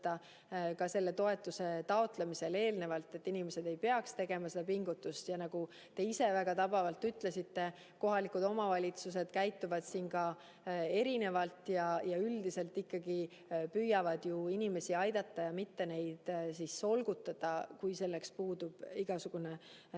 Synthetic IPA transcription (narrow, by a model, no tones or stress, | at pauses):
t̪ːɑ | kɑse̞lːe̞t̪o̞e̞t̪ːˑuse̞t̪ɑo̞t̪lemise̞le̞ːlne̞vɑlt̪ːˑe̞t̪ːinimese̞d̪e̞jpe̞ɑkst̪e̞ɡe̞mɑse̞d̪̥ɑpiŋɡ̥ut̪ːˑust̪jɑnɑɡ̥u | t̪e̞ise̞væɡ̥ɑt̪ɑb̥ɑvɑlt̪ːyt̪ˑle̞sit̪ːe̞ | ko̞ɦɑlikud̪o̞mɑvɑlʲit̪sus̬e̞d̪̥kæjt̪ːuvɑd̪̥siːnkɑ | e̞ɾine̞vɑlt̪ːˑjɑjɑyld̪̥ise̞lt̪ːˑikːɑɡ̥i | pyjːɑvɑd̪̥juinime̞siɑjd̪ɑt̪ːɑjɑmit̪ːe̞ne̞jd̪̥sisːo̞lɡ̥ut̪ːˑɑd̪̥ɑkujse̞lːe̞kspuːd̪ub̥iɡ̥ɑsuɡ̥une